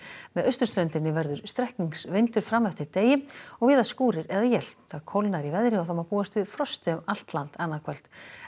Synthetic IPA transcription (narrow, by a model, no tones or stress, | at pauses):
mɛðœɥst̪ʏɾ̥st̪ɾœnt̪ɪnːɪvɛɾðʏɾ̥st̪ɾɛhkniŋsvɪnt̪ʏɾ̥fɾamːɛft̪ɪɾt̪eːjɪɔɣvɪːðaskuːɾɪɾɛðajɛlθaðkʰowlnaɾivɛðɾɪawθawmapuːast̪vɪðfɾɔst̪ɪʏmal̥t̪lant̪anːaðkʰvɛl̥t̪